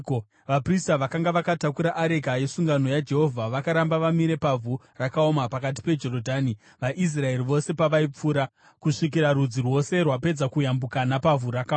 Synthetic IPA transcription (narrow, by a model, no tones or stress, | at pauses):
o | ʋapristaʋakaŋɡaʋakatakuɾaʔːɾe̞kaje̞suŋɡano̞jad͡ʒe̞ɦo̞vʱaʋakaɾambaʋamiɾe̞pavʱu | rakaomapakat̬i̥pe̞d͡ʒo̞ɾodʱaːni | ʋaʔis̬rae̞riʋo̞se̞paʋaip͡fuːɾa | kuʂik̬iɾaɾud͡zirwo̞se̞rwape̞d͡zakujambukanapavʱuɾaka